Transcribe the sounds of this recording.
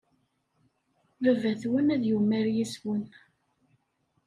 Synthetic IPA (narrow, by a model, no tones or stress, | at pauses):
vəvæθwənæðjumːæɾjiswən